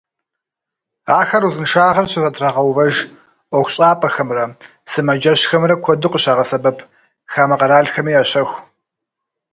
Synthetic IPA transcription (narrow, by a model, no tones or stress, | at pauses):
aːxɐruzɨnʂaːʁɐrɕɪzɐtʰraːʁɐwvɐʒ | ʔʷɔxʷɕʼaːpʼɐxɐmrɐ | sɨmɐd͡ʒɐɕxɐmrɐkʷʰɔdɨqəɕaːʁɐsɐbɐpʰ | xaːmɐqɐɾaːɮxɐmiːaɕɐxʷ